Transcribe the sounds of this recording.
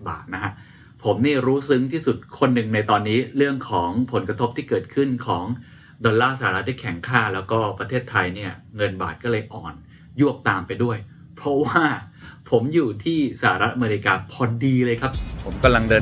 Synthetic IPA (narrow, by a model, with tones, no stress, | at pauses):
ba̰ː˨˩t̪̚na˦˥kʰa˦˥ʔ | pʰo˩˦mniː˥˩ɾuː˦˥sɯ˦˥ŋt̪ʰiː˥˩su˨˩t̪̚kʰo˧nːɯ˨˩ŋna˧jt̪ɔː˧nːiː˦˥ɾɯ˥˩əŋkʰɔː˩˦ŋpʰo˩˦nkɾa˧t̪ʰo˦˥p̚t̪ʰiː˥˩kɤː˨˩t̪̚kʰɯ˥˩nkʰɔː˩˦ŋ | dɔ˧nlaː˥˩sa˧˩a˨˧ɾa˦t̪ʰːiː˥˩kʰɛ˩˦ŋkʰaː˥˩lɛː˦˥wkɔː˥˩pɾa˧t̪ʰeː˥˩t̪ʰːa˧jni˥˩ɐŋɤ˧nba̰ː˨˩t̪̚kɔː˥˩lɤː˧jʔɔː˨˩n | ju˥˩əp̚t̪aː˧mpa˧jdu˥˩əj | pʰɾɔ˦˥waː˥˩ | pʰo˩˦mjuː˨˩t̪ʰiː˥˩sa˧˩a˧ɾa˦˥t̪̚ʔa˧meː˧i˧kaː˧pʰɔː˧diː˧lɤː˧jkʰa˦˥p̚pʰo˩˦mka˧mla˧ŋdɤː˧